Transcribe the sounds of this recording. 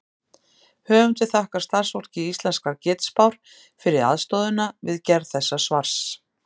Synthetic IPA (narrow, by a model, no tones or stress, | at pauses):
hœːvʏmt̪ɪθahkḁst̪ar̥svɔr̥cɪist̪lɛnskaɾcɪːt̪spawɾ̥ | fɪɾɪða̰ðst̪ɔðʏnavɪðcɛɾðθɛsːasvaɾ̥s